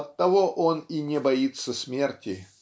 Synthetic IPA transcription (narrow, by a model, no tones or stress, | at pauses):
ɐt̪ːɐvoʔoninʲɪbɐit̪səsʲmʲe̞rtʲɪ